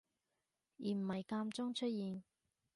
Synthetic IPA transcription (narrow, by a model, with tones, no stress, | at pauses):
jiː˨m̩˨˩hɐ˨˩jkaː˧mt͡sɔ˥ŋt͡ʃʰɵ˥t̚jiː˨˧n